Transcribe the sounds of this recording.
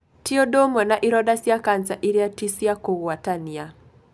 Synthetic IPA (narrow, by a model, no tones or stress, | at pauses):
tiodomɔnaʔiɾɔdasjakansaʔiɾjatisjakoɣwatania